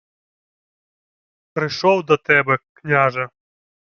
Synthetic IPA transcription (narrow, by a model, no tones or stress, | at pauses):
pɾɪʃɔwd̪ɔt̪ɛbɛknʲaʒɐ